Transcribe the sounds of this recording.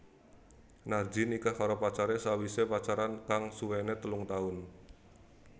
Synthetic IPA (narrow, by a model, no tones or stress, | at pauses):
nard͡ʒinikakaɾɔpat͡ʃaɾesawisepat͡ʃaɾankaŋsuwenet̪əlʊŋt̪aʊn